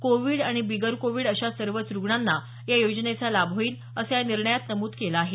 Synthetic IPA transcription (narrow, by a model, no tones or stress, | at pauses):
koʋiːɽaɽ̃ibiɡəɾkoʋiːɽəɕasəɾʋət͡sɾuɡɳanːa | jajod͡ʑnet͡salabʱɦoiːn | əsjaniɾɳəjat̪nəmuːt̪kelaːɦe